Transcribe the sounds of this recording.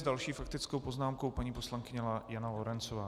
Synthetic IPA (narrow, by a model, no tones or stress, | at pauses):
zdalʃiːfakt̪ɪt͡skowpo̞znaːmkowpaɲiːpo̞slaŋkɪɲɛlajanalo̞ɾɛnt͡sovaː